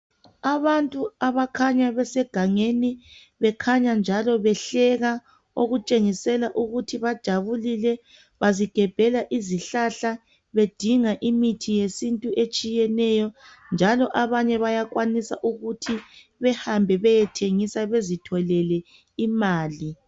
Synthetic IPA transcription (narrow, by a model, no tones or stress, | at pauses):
aβantʼuaβakʰaɲaβɛsɛɡ̥ʱaŋeni | βɛkʰaɲand͡ʒʱalɔβɛɬɛɣa | oɣut͡ʃʼeŋisɛlaʔuɣutʰiβad̥ʒ̥ʱaβulilɛ | βaziɡ̥ʱɛb̥ʱɛlaʔiziɬaɬa | βed̥ʱiŋaʔimitʰijesintʼuʔet͡ʃʼijɛnɛjɔ | nd͡ʒʱalɔʔaβaɲɛβajaɣwanisa̰ʔuɣutʰi | βɛhambʱɛβɛjɛtʰeŋisaβezitʰɔlɛlɛ | imaːli